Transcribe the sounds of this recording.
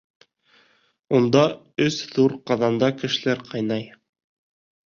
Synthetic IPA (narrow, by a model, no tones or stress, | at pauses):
und̪ɑ | ɵsðuɾqɑðɑnd̪ɑkɘ̆ʃɘ̆læɾqɑjnɑj